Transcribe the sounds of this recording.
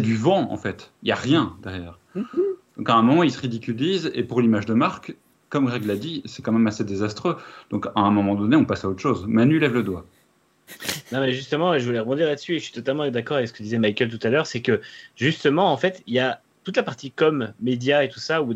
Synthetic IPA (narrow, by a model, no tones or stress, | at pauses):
sɛd̪yvɑ̃ɑ̰̃fɛt̪ilja̰ʁjɛ̃d̪ɛʁjɛːʁ | d̪̥ɔ̃kaɛ̃mɔmɑ̃ilsəʁid̪ikʲylizḛpuʁlimaʒd̪əmaʁk | kɔmɡʁɛɡlad̪isɛkɑ̃mɛmased̪ezast̪χød̪̥ɔ̃kaɛ̃mɔmɑ̃d̪ɔneɔ̃pasaot̪χʃozmanylɛvləd̪wa | nɔ̃mɛʒyst̪əmɑ̃ʒəvulɛʁəbɔ̃d̪iʁlad̪əsyeʃəʃi̥t̪ɔt̪almɑ̃d̪akɔʁavɛksə̥kəd̪izɛmajkʲœlt̪ut̪alœʁsɛkəʒyst̪əmɑ̃ːfɛt̪ilja | t̪ut̪lapaʁt̪ikɔmːed̪jaet̪usau